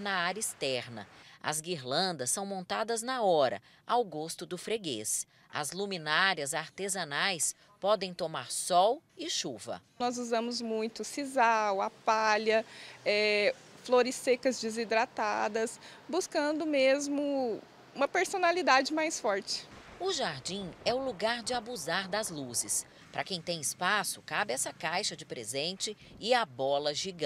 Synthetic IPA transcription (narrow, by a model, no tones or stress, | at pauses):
nɐaɾɐist̪ɛɾnɐ̰ɐ̰zɡiɾlɐ̃nd̪ɐsːɐ̃w̃mõnt̪ad̪ɐznɐɔɾɐ̰ | awɡost̪ʊd̪ʊfɾeɡḛs | ɐ̰zlumĩnaɾiɐzaɾt̪ezɐnajs | pɔd̪ẽj̃t̪omaɾsɔwɪʃuvɐ̰nɔzuzɐ̃mʊzmũj̃t̪ʊsizawapaʎɐɛ | floɾɪsekɐzd͡ʒɪzid̪ɾat̪ad̪ɐs | buskɐ̃nd̪ʊmezmʊ | ũmɐpeɾsonalid̪ad͡ʒɪmajsfɔɾt͡ʃɪ̥ʊʒaɾd͡ʒĩɛʊluɡaɾd͡ʒɪabuzaɾd̪ɐzluzɪs | pɾɐkẽj̃t̪ẽj̃ɪspasʊkabɪɛsɐkajʃɐd͡ʒɪpɾḛzẽnt͡ʃɪ | ɪabɔlɐʒiɡ̃